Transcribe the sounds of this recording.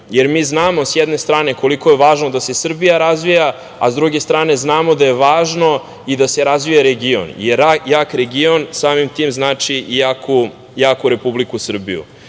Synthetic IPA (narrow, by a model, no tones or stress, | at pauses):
jeɾmiːznaːmo̞sjɛd̪ne̞st̪ɾaːne̞ko̞liko̞je̞ʋaːʒnod̪ase̞sr̩bijaɾazʋija | azd̪ɾuɡe̞st̪ɾaːneznaːmod̪aje̞ʋaːʒno̞ | id̪ase̞ɾazʋijaɾeɡio̰njeɾajakɾeɡionsaːmimt̪iːmznaːt͡ʂijakʰu | jaːkuɾe̞publikusr̩bḭjṵ